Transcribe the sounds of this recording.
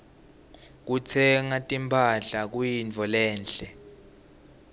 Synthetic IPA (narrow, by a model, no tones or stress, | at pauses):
k̬ut͡sʰɛŋatʼimpʰaɮak̬ujint͡fʰɔlɛːnɬɛ